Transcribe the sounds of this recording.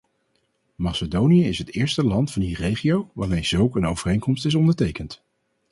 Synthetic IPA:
mɑsədownijəɪsɦətɪːɹstəlɑntfɑndirejχijowʋaːɹmejz̥ɵlˠkənowvərejŋkɔmstɪsɔndəɹtejkənt

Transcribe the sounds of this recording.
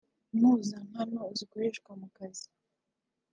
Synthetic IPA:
nuːzan̥hanozikoɾeʃkwamukazi̥

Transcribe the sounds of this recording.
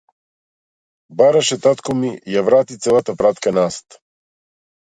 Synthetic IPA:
baɾaʃɛt̪at̪kɔmijavɾat̪it̪sɛlˠat̪apɾat̪kanast̪

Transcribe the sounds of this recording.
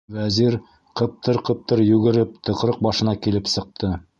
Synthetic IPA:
væziɾ | qɤ̆p̚t̪ɤɾqɤ̆p̚t̪ɤɾjʉɡɘ̆ɾɘp̚t̪ʰɤ̆qɾɤq̚bɑʃɤ̆nɑkilɘpsɤ̆q̚t̪ɤ

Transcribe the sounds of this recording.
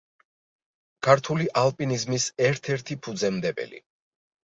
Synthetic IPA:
kʰaɾt̪ʰuliʔalˠpʼinizmisɛɾt̪ʰɛɾt̪ʰipʰud̪zɛmd̪ɛbɛ̰lḭ

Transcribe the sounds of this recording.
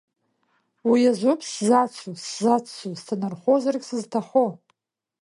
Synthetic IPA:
wijaʒʷopʼszat͡sʷʰuszat͡st͡sustʰanarχʷozarɡʲʼsɨztʰaχo

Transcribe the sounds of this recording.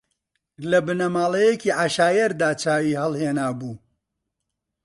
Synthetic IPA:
lɐbɨnɐmaːlˠɐjekiːʕaʃaːjɐɾd̪aːt͡ʃʰaːwiːhɐlˠheːnaːbuː

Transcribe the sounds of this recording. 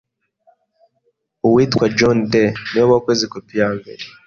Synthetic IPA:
uwiːtkwad͡ʒondenioβakwezikopijaːmbḛɾe

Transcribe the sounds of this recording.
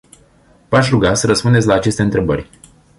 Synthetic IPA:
vaʃ̬ɾuɡasəɾəspund̪etsʲlaːt͡ʃe̞st̪e̞ɨnt̪ɾe̞bərʲ

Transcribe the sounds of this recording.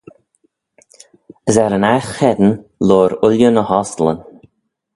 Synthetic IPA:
əzɛɾənaxxɛd̪ən̩loːɾʊljənəhɔslə̰n

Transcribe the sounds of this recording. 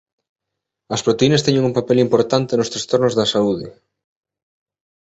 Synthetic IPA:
ɐspɾot̪einɐst̪ɛɲeŋumpapɛlimpoɾt̪ant̪ɪnʊst̪ɾast̪oɾnʊzðɐsauð̞ɪ

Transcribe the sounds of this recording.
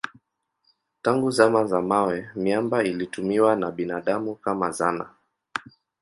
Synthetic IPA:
taŋɡuzamazamawɛmjambailitumiwanaɓinaɗamukama̰zana̰

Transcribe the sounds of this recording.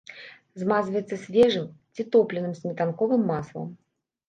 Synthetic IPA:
zmazvɐjɛt̪sːɐsʲvʲɛʐɨmt͡sʲit̪ɔplʲɛnɨmzʲnʲɛt̪ankɔvɨmːaslˠɐ̰m

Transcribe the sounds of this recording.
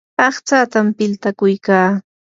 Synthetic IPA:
ɑχt͡saːt̪ampɪlt̪akʊjkaː

